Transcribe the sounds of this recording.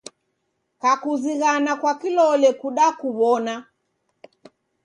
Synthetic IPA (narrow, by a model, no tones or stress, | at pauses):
kakuziɣanakwakilɔlɛkuɗakuβɔna